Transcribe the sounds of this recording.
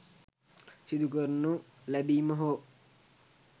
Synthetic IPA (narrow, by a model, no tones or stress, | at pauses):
sid̪ukərnulæbiːməɦo